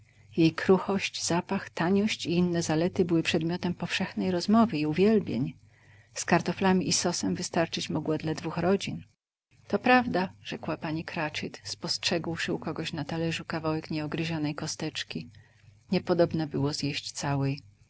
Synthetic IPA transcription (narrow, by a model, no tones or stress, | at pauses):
jejkɾuxɔɕt͡ɕz̥apaxt̪aɲɔɕt͡ɕiinːɛzalɛt̪ɘbɘwɘpʂɛd̪mʲjɔt̪ɛmpɔfʂɛxnɛjɾɔzmɔvɘiuvʲjɛlbʲjḛɲ | skaɾt̪ɔflamʲiʔisɔsɛmvɘst̪aɾt͡ʂɘt͡ɕmɔɡwad̪lad̪vuxɾɔd͡ʑin | t̪ɔpɾavd̪aʐ̥ɛkwapaɲikɾat͡ʂɘt̪spɔstʂɛɡwʂɘukɔɡɔɕnat̪alɛʐukavawɛkɲɛɔɡɾɘʑɔnɛjkɔst̪ɛt͡ʂkʲi | ɲɛpɔd̪ɔbnabɘwɔzjeɕt͡ɕt̪sawɛj